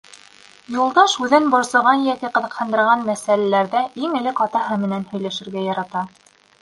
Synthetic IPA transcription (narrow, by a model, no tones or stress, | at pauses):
julˠd̪ɑʃʉðɘnbŏɾsɤ̆ʁɑnjæk̪ɘqɤ̆ðɤ̆qhɑ̆nd̪ɤ̆ɾʁɑnmæsælælæɾðæʔiŋɘ̆lɘkɑt̪ɑɦɤmɘ̆nænhɵ̆jlæʃɘ̆ɾɡæjɑɾɑt̪ɑ